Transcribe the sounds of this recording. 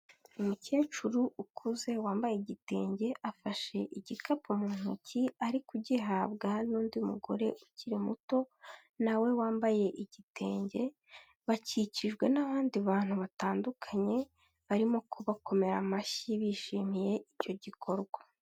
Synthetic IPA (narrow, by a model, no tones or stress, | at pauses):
umuce̞ːt͡ʃuɾuukʰuze̞waːmbajeɟite̞̰ːɲɟe̞ʔafaʃe̞ʔiɟikapumuːn̥ṵciaɾikuɟiɦaβɡanuːndiumuɡo̞̰ɾe̞ʔuciɾimuto̞ | nawe̞waːmbaje̞ʔiɟite̞̰ːɲɟe̞ | βaciciʒɡwe̞naβaːndiβaːn̥huβataːndukʰaɲe̞ | βaɾimo̞kʰoβakʰo̞me̞ɾamaʃiβiːʃiːmije̞ico̞ɟikʰo̞ɾɡwa